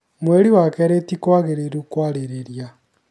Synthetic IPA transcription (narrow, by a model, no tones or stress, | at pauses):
mweɾiwakɛɾetikwaɣeɾeɾukwaɾeɾeɾja